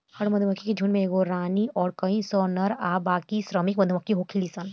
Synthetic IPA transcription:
hɐɽmɐnd̪ʱumɐkʰːikid͡ʒʱunmẽeɡoɾaːniɔːɾkɐĩsɔːnɐɾaːbaːkisɾəmik̚mɐd̪ʱumɐkʰːiɦoːkʰilisɐn

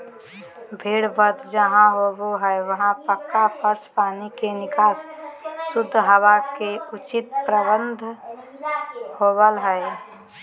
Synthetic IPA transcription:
bʱeːɽbəd̪d͡ʒəɦãɦoːboɦɛeʋəɦãpəkːapʰəɾspaːnikenɪkaːsː | ʊd̪ʱːɦəʋakeʊt͡ʃɪt̪̚pɾəbə̃nd̪ʱ | hoːbəlɦɛe

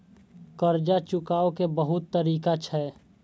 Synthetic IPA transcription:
kəɾd͡ʒat͡ʃʊkaːokebəɦʊt̪ːəɾiːkat͡ʃʰɛː

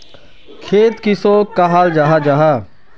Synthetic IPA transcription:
kʰeːt̪kɪsoːkaɦaːld͡ʒaːɦad͡ʒaːɦaː

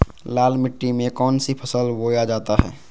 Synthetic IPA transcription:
laːlmɪʈːimẽkɔːnsipʰəsəlboːjad͡ʒaːt̪aɦɛ̰ː

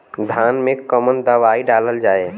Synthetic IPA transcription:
d̪ʱanmẽkəmənd̪əʋaiɖaləld͡ʒaːe

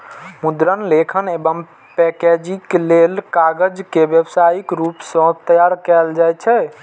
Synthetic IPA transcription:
mud̪ɾənlekʰənebəm | pɛked͡ʒiklelkaɡəd͡ʒkebjəbsajikɾupsə̃t̪əjaɾkɛld͡ʒajt͡ʃʰɛ

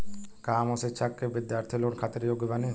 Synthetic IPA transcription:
kamɔset͡ɕʰakːebid̪jaɾt̪ʰilonkʰat̪eɾjoɡebane

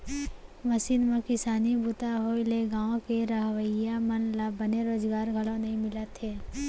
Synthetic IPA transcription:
məsiːnmẽkɪsaːnibut̪aɦoːɪleɡaːõkeɾəɦwəjamənlabəneɾoːzɡaːɾɡʱəlõnɐɦĩmɪlət̪ɦeː

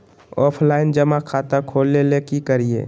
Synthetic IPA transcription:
ɔːpʰlaːɪnd͡ʒəmakʰaːt̪akʰoːlːelekikəɾiḛː

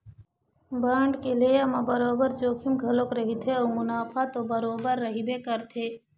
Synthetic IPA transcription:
baːɳɖkelejamãbɐɾoːbəɾd͡ʒoːkʰimɡʱɐlokɾɐɦit̪ʰeɐwmʊnaːfat̪obəɾoːbəɾːɐɦibekəɾt̪ʰeː

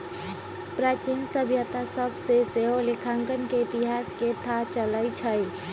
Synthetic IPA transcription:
pɾaːt͡ʃinsəbʱjət̪asəbseseɦolɪkʰãŋkənkeɪt̪ɪɦaːsket̪ʰat͡ʃələit͡ʃʰəi

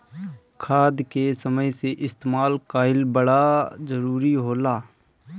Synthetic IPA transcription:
kʰaːd̪kesəməjseʔɪst̪emaːlkaːɪlbəɽazəɾuːɾiɦoːlaː

